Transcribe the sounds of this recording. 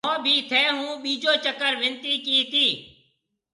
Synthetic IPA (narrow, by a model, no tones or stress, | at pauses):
õːbʱiːt̪ʰɛːɦũːɓiːd͡ʒoːt͡ʃəkəɾʋɪnt̪iːkiːt̪iː